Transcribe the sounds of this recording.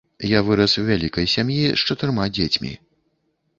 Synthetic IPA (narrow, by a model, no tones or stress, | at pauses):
javɨɾɐswvʲalʲikɐjsʲamjiʂt͡ʂɐt̪ɨɾmad͡zʲet͡sʲmʲḭ